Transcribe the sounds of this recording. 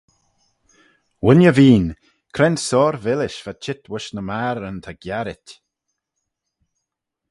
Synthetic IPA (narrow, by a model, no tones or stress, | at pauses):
wɪnjəviːn | kʰɾɛnsɔːɾvɪlɪʃv̥at͡ʃʰɪt̪wəʃnəmaːɾənt̪ʰaɡ̥jaɾɪt